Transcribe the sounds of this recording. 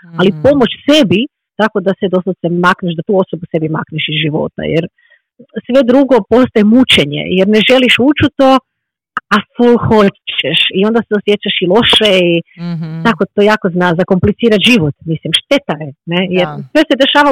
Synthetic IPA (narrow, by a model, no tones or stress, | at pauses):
alipo̞mo̞t͡ɕse̞bi | t̪ako̞d̪ased̪ososemakneʃd̪at̪uːo̞sobuse̞bima̰kneʃizʒiʋo̞̰t̪a̰jeɾ | sʋe̞d̪ɾuɡo̞po̞st̪ajemut͡ʃeɲḛjeɾneʒe̞liʃut͡ʃut̪o̞ | afulxo̞eʃio̞nd̪aseosjet͡ʃaʃilˠo̞ʃeit̪akot̪ojaːko̞znazako̞mplit̪siːɾaʒiʋot̪mislimʃt̪e̞t̪aenejeɾsʋe̞sed̪e̞ʃaːʋa